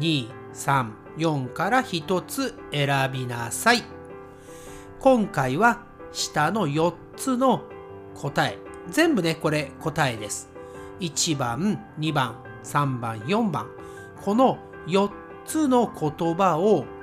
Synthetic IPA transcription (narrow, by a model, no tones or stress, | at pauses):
ɲiː | sãɴ | jõ̞ŋkaɾaçit̪o̞t͡sɨe̞ɾabʲina̰sai | kõ̞ŋkaiβa | ɕi̥t̪ano̞jo̞tt͡sɨno̞ | kʰo̞t̪ae̞zẽ̞mbɯ̟ne̞ko̞ɾe̞ko̞t̪ae̞d̪e̞sɨ̥ | it͡ɕibãn | ɲibãɴ | sãmbã̰ɰ̃jõ̞mbã̰ŋ | kʰo̞no̞ | jo̞t | t͡sɨno̞kʰo̞t̪o̞bao